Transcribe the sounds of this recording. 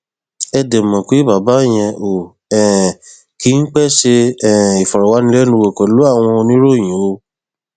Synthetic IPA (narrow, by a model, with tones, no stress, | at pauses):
ɛ˧de˨mɔ̃˨k͡pe˨˦ba˨ba˨˦˨j̃ɛ̃˧ʔo˨ | ɛ̃˨ | ki˦n̩˦k͡pɛ˦˨ʃe˧ɛ˨i˨fɔ˨ɾɔ˨wa˨˦nĩ˧˦lɛ˦nũ˧˦we˧˨kɔ˨lu˨˦a˦˨w̃ɔ̃˧o˧nĩ˦ɾo˦˨j̃ĩ˨o˧